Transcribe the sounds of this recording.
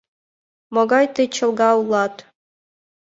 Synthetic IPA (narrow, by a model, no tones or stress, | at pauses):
moɡɑjt̪ɤjt͡ɕɤ̆lˠɡɑulˠːɑt̪